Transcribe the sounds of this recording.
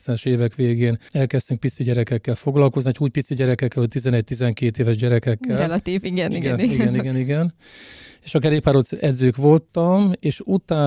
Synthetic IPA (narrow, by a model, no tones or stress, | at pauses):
t̪sɛnɛʃeːvɛkʋeːɡeːnɛlkɛst̪yŋk̚pit̪siɟɛɾɛkɛkːɛlfo̞ɡlɒlko̞zniuːc̚pit̪siɟɛɾɛkɛkːɛlhoc̚ʲt̪izɛnɛɟ̚t̪izɛŋkeːt̪eːvɛʒɟɛɾɛkɛkːɛlɛlɒt̪iːviɡɛniɡɛniɡɛniɡɛniɡɛn | eːʃɒkɛɾeːkpaːɾot̪sɛd̪zøːkʋo̞lt̪ɒmeːʃut̪aː